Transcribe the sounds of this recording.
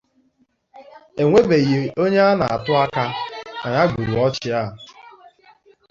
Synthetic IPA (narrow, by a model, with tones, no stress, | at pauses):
e˨ŋʷe˦be˨je˨o˦ɲe˦a˦na̰˨a̰˨tʊ˦a˦ka˦na˨ɲa˦ɡ͡bu˨ɾu˨ɔ˦t͡ʃɪ˦a˦˨